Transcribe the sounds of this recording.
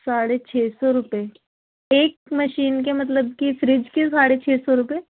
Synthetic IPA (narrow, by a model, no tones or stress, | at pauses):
saːɽet͡ʃʰeːsɔɾʊpe | eːk̚mɐʃiːnk̬emɐt̪̬ləb̚kifɾɪd͡ʒkesaːɽet͡ʃʰeːsɔɾʊpeː